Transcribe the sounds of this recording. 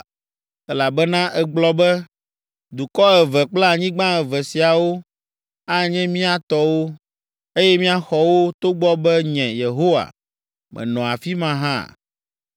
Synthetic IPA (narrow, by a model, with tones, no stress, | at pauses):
ɛ˦la˨bɛ˦nã˦ʔɛ˦ɡ͡blɔ˦bɛ˦ | d̪u˨kɔ˦ɛ˨vɛ˨k͡pla˦˨ɲĩ˦ɡ͡bã˦ɛ˨vɛ˨si˨a˨wo˦ | a˦ɲɛ̃˦mĩ˦a˨t̪ɔ˦wo˦ | e˦jɛ˦mĩ˦a˦xɔ˨wo˦t̪o˦ɡ͡bɔ˦bɛ˦ɲɛ̃˨je˨ɦo˦wa̰˨ | mʔɛ̰̃˨nɔ̃˨a˨fi˦mã˦ɦã̰˦